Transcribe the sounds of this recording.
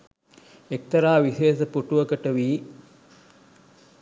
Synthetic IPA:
ek̚t̪ɐɾaːʋiseːsɐpuʈuʋɐkəʈəʋiː

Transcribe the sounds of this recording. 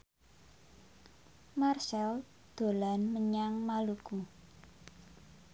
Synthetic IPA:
marsɛl | d̪̥o̤lanməɲaŋmaluku

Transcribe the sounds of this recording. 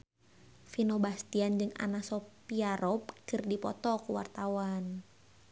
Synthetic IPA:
finɔbast̪iand͡ʒɨŋa̰nasɔpiaɾɔp̚kɨrdipɔ̰t̪ɔkuwa̰rt̪awan

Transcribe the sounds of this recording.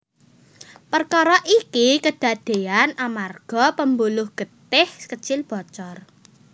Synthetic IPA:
pərkɔɾɔʔikikəɖ̪̥ä̤d̪̥e̤anamarɡ̥ɔ̤pəmbulʊhɡ̥ə̤t̪ɪhkət͡ʃɪlb̥ɔ̤t͡ʃɔr

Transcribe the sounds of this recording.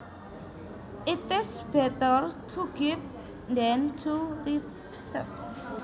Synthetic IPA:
ʔit̪ɪsb̥ɛt̪ərt̪ʰuɡ̥if | nd̪ɛnt̪ʰuri | sə̰p̚

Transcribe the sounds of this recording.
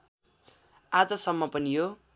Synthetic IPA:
ad͡zʌsʌmːʌpʌniɦo

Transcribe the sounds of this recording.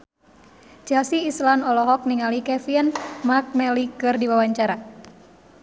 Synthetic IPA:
d͡ʒ̥ɛlsiːslanɔlɔɦɔk̚niŋalikɛfiɛnmak̚mɛlikɨrdiwawaɲt͡ʃaɾa

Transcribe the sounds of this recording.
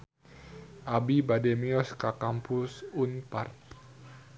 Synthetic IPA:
ʔabibadɛmiɔskakampusunpart̪̚

